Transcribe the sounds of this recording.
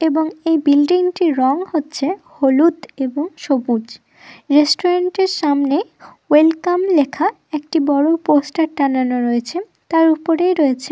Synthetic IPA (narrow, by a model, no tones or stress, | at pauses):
eboŋejbilɖiŋʈiɾɔŋhotːɕʰeholud̪eboŋʃobud͡ʑ | ɾesʈoɾaɳʈeɾʃamnewelkamlekʰa | ek̚ʈibɔɽoposʈaɾʈananoɾoet͡ɕʰe | t̪aɾupoɾejɾoet͡ɕʰe